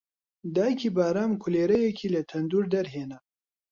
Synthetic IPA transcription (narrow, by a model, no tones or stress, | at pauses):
d̪aːjkʰiːbaːɾaːmkʰʊleːɾɐjɛkʰiːlɐt̪ʰɐnd̪uːɾd̪ɐɾɦeːnɐ